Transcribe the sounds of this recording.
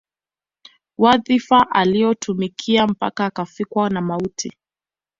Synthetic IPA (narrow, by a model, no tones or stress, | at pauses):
waðifaʔalijɔtʰumikʰiam̩pa̰kaːkafikwanamautʰḭ